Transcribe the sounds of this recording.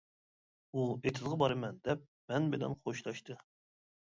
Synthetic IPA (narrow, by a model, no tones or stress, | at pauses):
uet̪ʰɨzʁɑbɑɾɨmɛnd̪ɛp̚mɛnbɪlɛ̰nχoʃlˠɑʃt̪ʰɨ